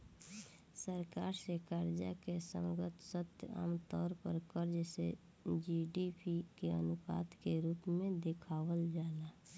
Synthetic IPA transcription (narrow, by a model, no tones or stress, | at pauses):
səɾkaːɾsekaːɾd͡ʒa̰kesə̰̃ŋɡət̪sət̪ja̰ːmt̪ɔːɾpəɾkəɾd͡ʒɛːsḛ | d͡ʒiːɖipikeənʊka̰ːt̪keɾuːpmẽd̪ekʰaːwəld͡ʒaːlaː